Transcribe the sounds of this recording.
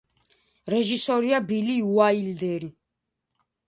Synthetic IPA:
ɾɛʒisɔɾiabiliuaild̪ɛɾi

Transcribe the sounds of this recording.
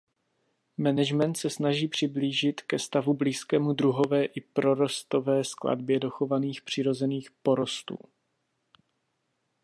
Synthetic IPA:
mɛnɛʒmɛnt̪sɛsnaʒiːpr̝̥ɪbliːʒɪt̪kɛst̪avubliːskɛːmudɾuɦo̞vɛːʔɪpɾo̞ɾo̞st̪o̞vɛːskla̰dbjɛdo̞xo̞vaniːxpr̝̥ɪɾo̞zɛniːxpo̞ɾo̞st̪ṵː

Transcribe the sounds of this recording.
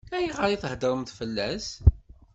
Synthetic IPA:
æjiʁəɾiθhd̪əɾəmθfəlːæs

